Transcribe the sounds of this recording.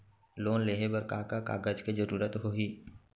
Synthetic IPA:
loːnleːɦebəɾkaːkaka̰ːɡəd͡ʒkezəɾuːɾət̪ɦoiː

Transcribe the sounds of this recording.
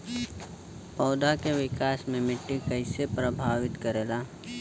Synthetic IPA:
pɔːd̪akeʋɪkaːsmẽmɪʈːikəɪsepɾəbʱaːʋɪt̪kəɾeːlaː

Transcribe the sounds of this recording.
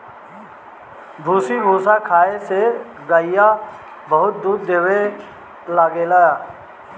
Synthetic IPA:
bʱuːsibʱuːsakʰaːese | ɡəɪja | bəɦʊt̪̚d̪uːɾd̪eːʋe | laːɡelaːjaː

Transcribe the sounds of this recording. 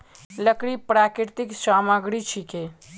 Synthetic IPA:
ləkɾipɾakiɾt̪iksamaɡɾit͡ʃʰike

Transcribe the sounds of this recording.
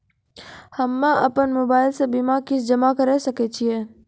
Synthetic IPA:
hɐmːaʔɐpənmoːbaːɪlsebimakɪsd͡ʒɐmakɐɾeːsɐket͡ʃʰieː

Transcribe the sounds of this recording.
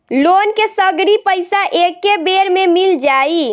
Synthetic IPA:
lonkesəɡɽipəjsaʔekːebeɾmemild͡ʒai

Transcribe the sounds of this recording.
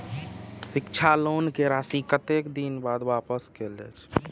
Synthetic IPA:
sɪkt͡ʃʰalonkeɾasikət̪ekd̪inbad̪ʋapəskelɛ̰t͡ʃʰ

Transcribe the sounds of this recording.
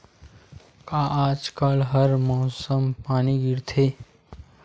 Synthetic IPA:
kaʔaːd͡ʒkalɦəɾmɔːsəmpaːniɡɪɾt̪ʰeː

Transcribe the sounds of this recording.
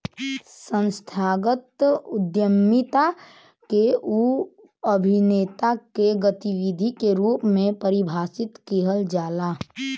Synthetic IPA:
sə̃nst̪ʰaːɡət̪ʊd̪jəmːɪt̪a | keu | əbʱineːt̪akeɡət̪iwid̪ʱikeɾuːpmẽpəɾɪbʱaːsɪt̪keːɦəld͡ʒaːlaː

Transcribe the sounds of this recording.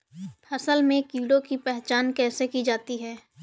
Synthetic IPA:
pʰɐsəlmẽkiːɽokipɛɦt͡ʃaːnkɛːsekid͡ʒaːt̪iɦɛː

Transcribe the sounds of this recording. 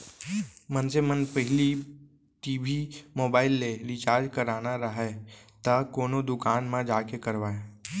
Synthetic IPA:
mənsemənpəɦli | ʈiːbʱimoːbaːɪlːeɾɪt͡ʃaːɾd͡ʒkəɾaːnaɾəɦɛt̪akoːnod̪ʊkaːnmãd͡ʒaːkekəɾʋaːe

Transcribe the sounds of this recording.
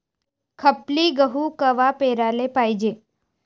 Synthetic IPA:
kʰəpliɡəɦukəʋapeːɾaːlepaːid͡ʒeː

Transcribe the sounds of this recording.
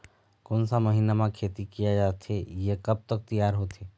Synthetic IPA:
konsaməɦiːnamãkʰeːt̪ikijad͡ʒaːt̪ʰejekəb̚t̪ək̚t̪ijaːɾɦoːt̪ʰeː

